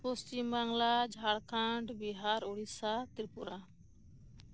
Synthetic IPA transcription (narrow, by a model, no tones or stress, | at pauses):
post͡ʃimbaŋlad͡ʒʱaɽkʰãɳɖbiɦaɾuɽisat̪iɾpuɾa